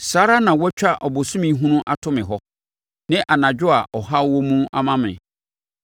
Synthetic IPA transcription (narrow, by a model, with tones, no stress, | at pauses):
saː˦ɾa˦nã˨wɔ˦t͡ɕᶣa˦ʔɔ˨bo˨sũ˦mĩ˦ɦũ˦nʊ̃˦ʔa˦tʰʊ˦mɪ̃˨ɦɔ˦ | nɪ̃˦ʔa˨nã˨d͡ʑᶣʊ˦a˨ʔɔ˨ɦa˦wɔ˦mũ˦ʔa̰˦mã˦mɪ̰̃˨